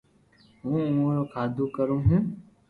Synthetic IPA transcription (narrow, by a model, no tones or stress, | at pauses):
ɦũːʊõːɾoːkʰaːd̪ʱuːkəɾũːɦũː